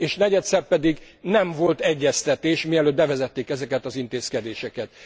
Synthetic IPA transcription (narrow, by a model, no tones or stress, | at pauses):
eːʃnɛɟɛt̪sɛrpɛd̪iɡ | nɛɱvo̞lt̪ɛɟːɛst̪ɛt̪eːʃmiɛløːd̪bɛvɛzɛt̪ːeːkɛzɛkɛt̪ɒzint̪eːskɛd̪eːʃɛkɛt̪̚